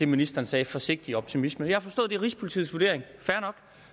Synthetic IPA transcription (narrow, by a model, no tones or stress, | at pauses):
d̥e̝minisd̥ɐːnsɛːfɒ̽se̝ɡ̥̚d̥iɒ̽b̥̚t͡sʰimisməjɑhɑ̈fɒ̽sd̥ɔ̽ːð̞ˠd̥e̝ʁisə̥pʰolit͡sʰḭːð̩ˠsʋuɐde̝ɐ̰eŋfæɐnɒ̽ɡ̥